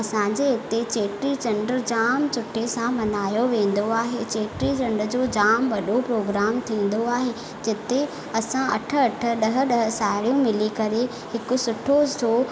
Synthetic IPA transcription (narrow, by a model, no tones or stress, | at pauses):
ɐsãɲd͡ʑeɪt̪et͡ɕeːʈɾit͡ɕɐ̃ɳɖɾd͡ʑaːmt͡ɕʊʈʰːesãbɐnaːjoʋẽːn̆d̪oaːɦet͡ɕeːʈɾit͡ɕɐ̃ɳɖɾəd͡ʑoːd͡ʑaːmʋɐɗopɾoːɡɾaːmt̪ʰĩːn̆d̪oaːɦe | d͡ʑɪt̪e | ɐsãɐʈʰə̆ɐʈʰə̆ɗɐɦə̆ɗɐɦə̆saːɪɽijũmɪlikɐɾe | hɪkʊ̆sʊʈʰosoː